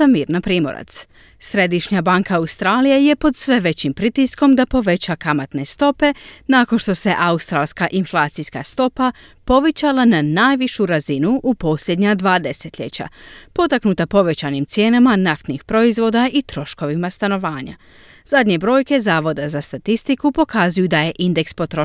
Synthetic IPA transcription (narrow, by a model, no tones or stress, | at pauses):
amiːɾnapɾiːmo̞ɾa̰t̪s | sɾe̞d̪iʃɲabaŋkaːust̪ɾaːlijeje̞po̞d̪sʋe̞ʋe̞t͡ɕimpɾit̪isko̞md̪apo̞ʋe̞t͡ɕakamat̪ne̞st̪o̞pe̞naːko̞nʃt̪o̞se̞ʔaust̪ɾalˠskaʔinflˠaːt̪siska̰st̪o̞pa | po̞ʋe̞t͡ɕalˠananaːjʋiʃuɾazinuʔupo̞sʎʲe̞d̪ɲad̪ʋaːd̪e̞se̞t̪lʎe̞t͡ɕa̰po̞t̪aknut̪apo̞ʋe̞t͡ɕanimt̪sje̞ːnamanaft̪nixpɾo̞izʋo̞ːd̪aʔit̪ɾo̞ʃko̞ʋimast̪ano̞ʋaːɲa̰ | z̥ad̪ɲe̞bɾo̞ːjke̞zaːʋo̞d̪azast̪at̪ist̪ikupo̞kʰazujud̪aje̞ʔind̪e̞kspo̞t̪ɾo